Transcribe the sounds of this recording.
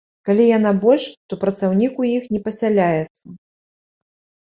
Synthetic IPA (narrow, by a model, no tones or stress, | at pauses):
kalʲijanabɔlʲʂt̪ɔpɾɐt̪sawnʲikujixnʲɛpɐsʲalʲajɛt̪sːɐ